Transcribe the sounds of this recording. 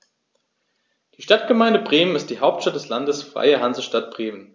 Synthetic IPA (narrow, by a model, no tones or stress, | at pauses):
d̥iːʃtat̚ɡ̥əmaɪndəbʁeːmənɪstd̥iːɦaʊp̚tʃtat̚d̥ɛslandəsfʁ̥a̰ɪəɦanzəʃtat̚b̥ʁeːmən